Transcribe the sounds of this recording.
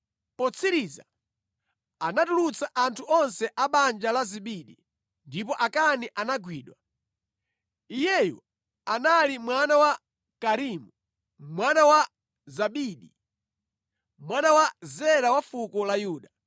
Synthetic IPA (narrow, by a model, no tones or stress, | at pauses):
pɔt͡sʰiɾiːza | anatulut͡saʔantʰuɔnsɛʔaɓand͡ʒalaziɓiɗi | ndipɔʔakaniʔanaɡwiːɗwa | ijɛjɔ̰ | analimwanawa | kaɾiːmu | mwanawa | zaɓiɗi | mwanawazɛɾawafukɔlajuːɗa